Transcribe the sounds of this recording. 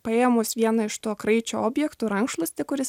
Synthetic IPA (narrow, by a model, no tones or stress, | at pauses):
pɐeːjɛmoːsʋʲiɛnɐɪʃt̪uɔkɾɐɪt͡ʃʲoːoːbʲjɛkt̪ʊːɾɐŋkʃlˠɐsʲt̪ʲɪkʊɾʲɪs